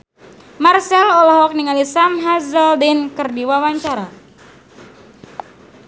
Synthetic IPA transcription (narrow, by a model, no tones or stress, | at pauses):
marsɛlɔlahwak̚niŋalisamɦazaldinkɨrdiwawaɲt͡ʃaɾa